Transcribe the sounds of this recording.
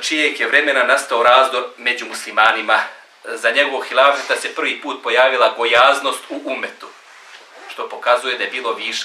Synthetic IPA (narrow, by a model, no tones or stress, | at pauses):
t͡ʃijekje̞ʋɾe̞me̞nanast̪ao̞ɾaːzd̪o̞ɾme̞d͡ʑumuslimaːnima | zaɲe̞ɡo̞ʋoɡxilˠaːfɾet̪ase̞pr̩ʋiːpuːt̪̚po̞jaːʋilako̞jaːzno̞st̪uʔumet̪u̥ | ʃt̪o̞po̞kazuje̞d̪aje̞biːlˠo̞ʋiʃe